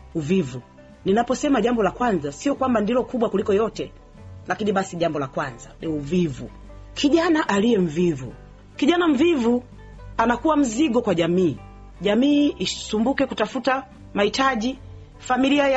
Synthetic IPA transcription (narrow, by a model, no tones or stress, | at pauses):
uvivu | ninapɔsɛmaʄambɔlakwanzasiɔkwambandilɔkuɓwakulikɔjɔtɛ | lakiniɓasiʄambɔlakwanza̰nɛuvivṵ | kʰiʄanaʔaliɛm̩vivṵ | kiʄanam̩vivu | anakuwam̩ziɡɔkwaʄamiː | ʄamiːʔisumbukɛkutafuta | mahitaʄi | familiaj